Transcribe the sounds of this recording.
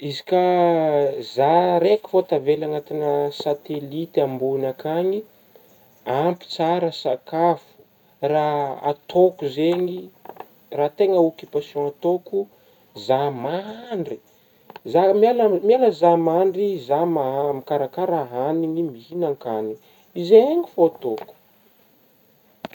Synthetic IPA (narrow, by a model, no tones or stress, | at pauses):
izi̥ka | zaɾeki̥fot̪avelaŋat̪inəsat̪elit̪ambunakaɲi | ampi̥t͡saɾəsakafu̥ | raa̰t̪okuzeɲi | rat̪eŋəukipasjɔ̃at̪oku | zamaɳɖ͡ʐi | zamialamialəzamaɳɖ͡ʐizamamikaɾakaɾaɦaniɲimihinaŋkaniŋi | izeŋifoat̪oku̥